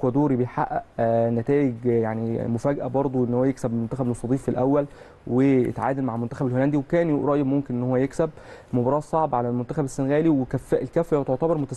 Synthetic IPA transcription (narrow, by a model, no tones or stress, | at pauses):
kwæd̪oːɾibejħaʔːæʔnæt̪æːʔeɡjaʕnimofæːɡʔæbɑɾˤd̪ˤoʔenːhowːæjeksæbmont̪æxæblosˤɑd̪ˤiːfːilʔæwːæl | wejḛt̪ʕa̰ːd̪ælmaʕlmont̪æxæbelholænd̪iwekæːnɾˤɑʔjebmomkenʔenːhowːæjeksæb̚mobɑɾˤɑːsˤɑʕbʕalælmont̪æxæbesːenɣæːliwekæfːæʔlkæfːæjt̪oʕt̪æbɑɾˤmot̪æs